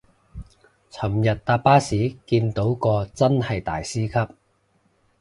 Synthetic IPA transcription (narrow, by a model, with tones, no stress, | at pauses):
t͡sʰɐ˨˩mjɐ˨t̚t̪aː˧paː˥siː˨˥kiː˧nt̪o˨˥wkɔː˧t͡sɐ˥nhɐ˨jt̪a̰ː˨jsiː˥kʰɐ˥p̚